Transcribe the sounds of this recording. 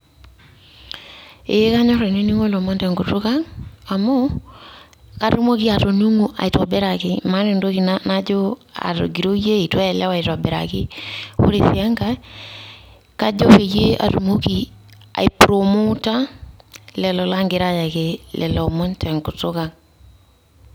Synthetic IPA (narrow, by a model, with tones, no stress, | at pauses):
e˨˦ka˦ɲɔ˦ɾɔ˨ne˦ni˦ŋo˦lɔ˨mɔ˦ntɛ˨ŋɡo˨to˦ɣa˦ŋa˨mo˦ | ka˨ɾu˦mo˦ki˦a˨to˨nu˦ŋu˦ʔa̰˨i˨twa˨bɛ˦ɾa˨kɪma˦ne˨ndo˦ki˨nanad͡ʒo˦a̰˨ɾo̰˨ɡi˨ɾo˦je˦i˨twɛ˦ɛ˨lɛ˦wa˨i˨twa˨bɛɾa̰˨kɪ˦o̰˦ɾe˨θia˦ŋɡa˦ | ka˦d͡ʒɔ˦βe˨je˦a̰˨ɾu˨mo˦ki˦ | a̰˨i˨pɾo˨mo˦ta˦ | lɛ˨lɔ˨la˦ŋɡe˨ɾa˦ja˨ke˨lɛ˨lɔ˨mɔ˦ntɛ˨ŋɡo˨tʊ˦ka˨ŋ